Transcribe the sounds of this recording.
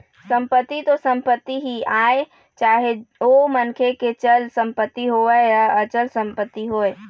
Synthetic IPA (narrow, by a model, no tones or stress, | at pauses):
səmpət̪ːit̪osəmpət̪ːiɦiae | t͡ʃaɦeomənkʰeket͡ʃəlsəmpət̪ːiɦoʋɛəət͡ʃəlsə̃mpət̪ːiɦoj